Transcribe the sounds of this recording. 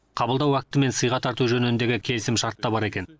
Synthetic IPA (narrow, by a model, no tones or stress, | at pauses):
qʰɑbəlˠd̪ɑwæk̚t̪ɪme̞nsəjʁɑt̪ʰɑɾt̪uʒɵnɪɪnd̪e̞ɡʲɪkʲʰe̞lɪsɪmʃɑɾt̪ːɑbɑɾe̞kʲe̞n